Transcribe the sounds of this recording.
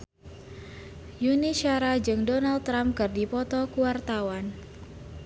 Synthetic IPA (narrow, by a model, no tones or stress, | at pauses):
juniʃaɾad͡ʒɨŋdɔnal̚t̪ːɾamkɨrdipɔt̪ɔkuwart̪awan